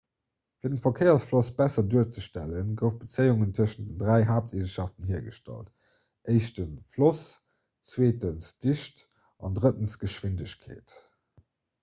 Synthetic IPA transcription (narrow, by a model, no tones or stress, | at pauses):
fiːɐdənfɐkʰeɪɐsflosb̥æsɐduːɐt͡səʃtæ̰lənɡəʊfb̥ət͡səɪuŋəntʰəəʃənd̥əndʁæɪɦaːp̚tʰeːzəʃɑftənɦiːɐɡəʃtɑ̰lt | ʔəɪʃtənflɔs | t͡sweːtənsd̥iʃt | ʔɑndʁətənsɡ̥əʃwindəɕkʰḛːt